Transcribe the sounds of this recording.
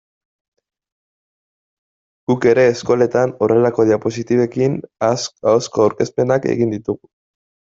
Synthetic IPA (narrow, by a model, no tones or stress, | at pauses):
ɡ̥uke̞ɾe̞ːsko̞le̞t̪ano̞re̞lako̞ðiapo̞sit̪iβe̞kin | awskoawɾke̞spe̞nake̞̰ɣind̪it̪uɣu